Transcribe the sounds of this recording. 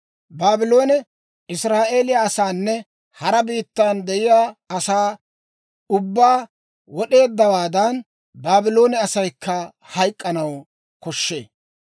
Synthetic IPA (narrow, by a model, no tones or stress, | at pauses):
baːbɪlo̞ːnɛ | ɪsɾaːʔe̞ːlɪjaːsaːnːɛ | hɐɾɐbiːt̪ːaːnd̪ɛjɪjaːɐsaː | ʊbːaː | wɔɗe̞ːd̪ːɐwaːd̪ɐn | baːbɪlo̞ːnɛɐsɐjkʰːɐ | hɐjkʼːɐnɐw | kɔʃːḛː